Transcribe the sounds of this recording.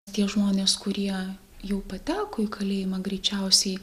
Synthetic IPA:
t̪ʲiɛʒmoːnʲeːskʊɾʲiɛ | jɛʊpɐt̪ʲæːkoːɪkɐlʲeːjɪmɐɡɾʲɛɪt͡ʃʲɛʊsʲɛɪ

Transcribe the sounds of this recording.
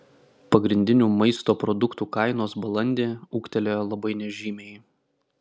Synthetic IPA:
pɐɡɾʲɪnʲd̪ʲɪnʲuːmɐɪst̪oːpɾɔd̪ʊkt̪uːkɐɪnoːsbɐlˠɐnʲd̪ʲeːuːkt̪ʲɛlʲeːjlˠɐbɐɪnʲɛʒʲiːmʲeɪj

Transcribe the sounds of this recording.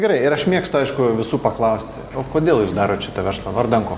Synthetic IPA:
ɡʲɛɾɐɪɪɾɐʃmʲiɛkst̪oɐɪʃkʊʋʲɪsuːpɐklˠɐʊsʲt̪ʲ | oːkoːd̪ʲeːlˠjuːsd̪ɑːɾoːt̪ʃʲɪ̥t̪ɐʋʲɛrslˠɐʋɐrd̪ɐŋkoː

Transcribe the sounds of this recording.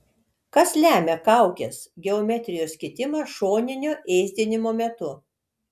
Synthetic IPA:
kɐslʲæːmʲɛkɐˑʊkʲɛsɡʲɛomʲɛt̪ʲɾʲɪjoːsʲkʲɪt̪ʲɪmɐʃoːnʲɪnʲoːʔɛːzʲd̪ʲenʲɪmoːmʲɛt̪ʊ

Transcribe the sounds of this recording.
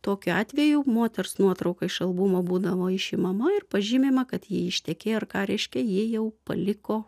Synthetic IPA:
t̪oːkʲʊɑːt̪ʲʋʲɛjuːmoːt̪ʲɛrsnuɔt̪ɾɐʊkɐɪʃɐlˠbʊmoːbuːd̪ɐʋoːɪʃʲɪmɐmɐɪrpɐʒʲiːmʲeːmɐkɐt̪jiɛɪʃʲt̪ʲɛkʲeːɐrkɑːɾʲɛɪʃʲkʲɛjiɛjɛʊpɐ̰lʲɪkoː

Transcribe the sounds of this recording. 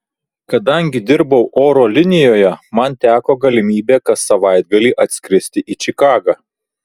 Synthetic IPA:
kɐd̪ɐŋʲɡʲɪd̪ʲɪɾbɐʊʔoːɾoːlʲɪnʲɪjoːjɛmɐnt̪ʲæːkoːɡɐlʲɪmʲiːbʲeːkɐt̪sɐʋɑɪd̪̚ɡɐlʲiːʔɐt̪ʲsʲkʲɾʲɪsʲt̪ʲɪʔiːt͡ʃʲɪkɑːɡɑː

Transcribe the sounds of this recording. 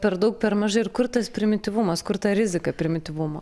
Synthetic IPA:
pʲɛɾd̪ɐʊk̚pʲɛɾmɐʒɐɪɪɾkʊɾt̪ɐspʲɾʲɪmʲɪt̪ʲɪʋʊmɐskʊɾt̪ɐɾʲɪzʲɪkɐpʲɾʲɪmʲɪt̪ʲɪʋʊmo̰ː

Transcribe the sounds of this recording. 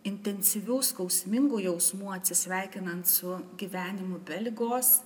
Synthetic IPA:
ɪnʲt̪ʲɛnʲsʲɪʋʲuːskɐʊsʲmʲɪŋɡuːjɛʊsmuːɐt̪ʲsʲɪsʲʋʲæˑɪkʲɪnɐnt̪sʊɡʲiʋʲæːnʲɪmʊbʲɛlʲɡoːs

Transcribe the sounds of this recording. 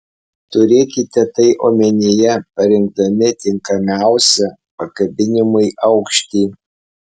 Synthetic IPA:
t̪ʊɾʲeːkʲɪt̪ʲɛt̪ɐɪʔoːmʲɛnʲɪjɛpɐɾʲɪŋɡ̚d̪ɐmʲɪt̪ʲɪŋkɐmʲæˑʊsʲɛ | pɐkɐbʲɪnʲɪmʊɪʔɐʊkʃʲt̪ʲiː

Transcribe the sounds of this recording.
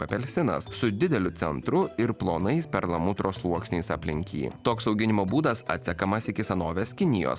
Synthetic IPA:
pɐpʲɛlʲsʲɪnɐ̰ssʊd̪ʲɪd̪ʲɛlʲʊt̪sʲɛnt̪ɾʊɪɾplˠoːnɐɪspʲɛɾlˠɐmʊt̪ɾoːslˠuɔksʲnʲiːsɐ̰pʲlʲɪŋʲkʲḭːt̪oːksɒʊɡʲɪnʲɪmoːbuːd̪ɐsɐ̰t̪ʲsʲɛkɐmɐsɪkʲɪsɐnoːʋʲeːskʲɪnʲɪjo̰ːs

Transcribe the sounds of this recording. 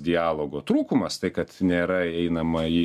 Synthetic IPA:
d̪ʲɪaːlˠoːɡoːt̪ɾuːkʊmɐst̪ɐɪkɐt̪nʲeːɾɐɛɪnɐmɐiː

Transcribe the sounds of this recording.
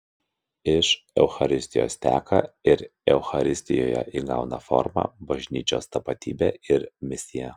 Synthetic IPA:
ɪʃ | ɛʊxɐɾʲɪsʲt̪ʲɪjo̰ːst̪ʲæːkɐ̰ɪɾɛʊxɐɾʲɪsʲt̪ʲɪjo̰ːjɛ̰ʔiːɡɑʊnɐ̰fɔ̰ɾmɑ̰ːbɐʒʲnʲiːt͡ʃʲoːst̪ɐpɐt̪ʲḭːbʲeːɪɾmʲɪsʲɪjɛ

